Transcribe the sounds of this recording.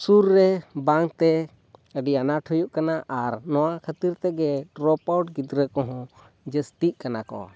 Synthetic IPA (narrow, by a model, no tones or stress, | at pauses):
suɾːɛbaŋt̪ɛ | əɖianaʈʰɔjuʔkanaʔaɾnɔwakʰət̪iɾt̪ɛɡɛɾɔpawʈɡid̪ɾəkɔɦɔ̃ | d͡ʒəst̪iʔ̚kanakɔ̰